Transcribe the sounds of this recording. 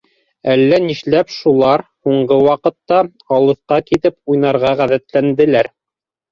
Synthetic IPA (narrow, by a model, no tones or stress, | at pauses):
ælːæniʃlæpʃulˠɑɾhuɴɢɤwɑqɤ̆t̪ːɑ | ɑlˠɤ̆θqɑkit̪ɘpujnɑɾʁɑʁæðæt̪lænd̪ɘ̆læɾ